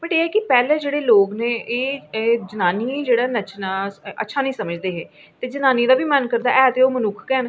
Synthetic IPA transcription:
bəʈeːɦɛːkɪpɛːleːd͡ʒeːɽeːloːɡnẽːʔeːd͡ʒənaːniːd͡ʒeːɽaːnət͡ʃnaːʔə̰tːʃʰaːnəĩːsəməd͡ʒd̪eːɦɛː | t̪eːd͡ʒənaːnid̪aːbʱiːmənkəɾd̪aːʔɛːt̪eoːmənʊkʰkɛːn

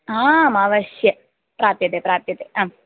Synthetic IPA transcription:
aːmaːʋɐʃjɐ | pɾaːt̪jɐt̪epɾaːt̪jɐt̪eːaːm

